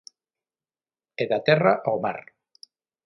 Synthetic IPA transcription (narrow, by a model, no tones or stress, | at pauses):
eðat̪ɛraʔoma̰ɾ